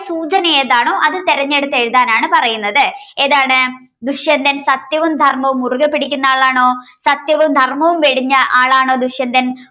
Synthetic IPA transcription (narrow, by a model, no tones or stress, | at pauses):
suːt͡ɕɐnɐjeðaːɳoːʔɐðɨt̪eɾɐɲːeɽut̪ːeɻuðaːnaːɳɨpɐrɐjunːɐðɨeðaːɳɨ | d̪uɕjɐnd̪ʱɐnsɐt̪jɐʋɐmd̪ʱɐrmɐʋumuruɣɐpːeɽikʲːunːaːɭaːɳo̞ːsɐt̪jɐʋɐmd̪ʱɐrmɐʋumʋeɽiɲːɐʔaːɭaːɳo̞ːd̪uɕjɐnd̪ɐn